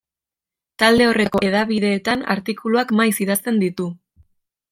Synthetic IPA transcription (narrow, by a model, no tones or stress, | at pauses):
t̪ald̪e̞o̞re̞ko̞e̞ðaβiðe̞ːt̪ana̰ɾt̪ikuluakmajsiðast̪e̞nd̪it̪u